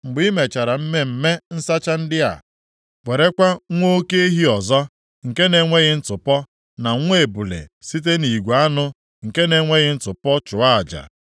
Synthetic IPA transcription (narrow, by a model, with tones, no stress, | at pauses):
ŋ͡m̩˨ɡ͡bi˦me˨t͡ʃa˨ɾa˨m̩˦me˦m̩˨me˦n̩˦sa˦t͡ʃa˦n̩˦dɪ˦a̰˨ | wʷe˨ɾe˦kʷa˦ŋʷo˦ke˦i˦ɦi˦ɔ˨zɔ˦ | ŋ̩˨ke˦ne˨ŋʷe˦ɣɪ˦n̩˦tʊ˨pɔ˦ | na˨ŋʷ˦e˨bu˨lḛ˨si˦t̬e˦ni˨ɡʷa˦nʊ˦ | ŋ̩˨ke˦ne˨ŋʷe˦ɣɪ˦n̩˦tʊ˨pɔ˦t͡ʃʊ˨a˦a˨d͡ʒa̰˨